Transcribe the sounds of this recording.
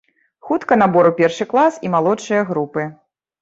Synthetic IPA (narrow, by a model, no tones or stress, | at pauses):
xut̪kɐnabɔɾupʲɛrʂɨklˠasimalˠɔt͡ʂːɨjɐɣɾupɨ